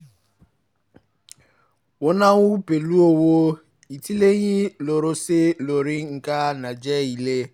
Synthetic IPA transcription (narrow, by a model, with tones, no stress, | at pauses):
wʊ˦na˦wʊ˦pe˨lu˦o˦wo˦ | i˨ti˦le˦ɲi˦lo˨ɾʊ˦sɪ˦lo˨ɾi˦ŋ̩˨ka˦na˨d͡ʒɛ˦i˨le˦